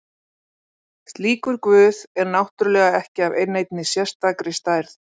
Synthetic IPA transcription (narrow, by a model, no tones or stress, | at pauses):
st̪liːkʏɾkvʏːðɛɾnawht̪ʏɾlɛːɣaɛhcɪavejnejt̪nɪsjɛst̪akɾɪst̪aːjɾ̥θ